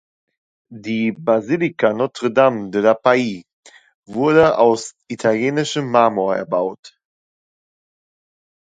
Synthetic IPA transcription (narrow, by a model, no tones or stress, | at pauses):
diːbazilikanɔtʁ̥ədamdəlapai | vʊɐdəʔaʊsʔitʰaljeːnɪʃəmːamoɐɛ̰ɐbaʊt